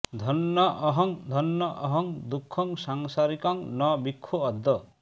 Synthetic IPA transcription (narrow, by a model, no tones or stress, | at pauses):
d̪ʱɔnːɔʔɔɦɔŋd̪ʱɔnːɔʔɔɦɔŋd̪ukʰːɔŋsaŋsaɾikɔŋnɔbikʰːuɔd̪ːɔ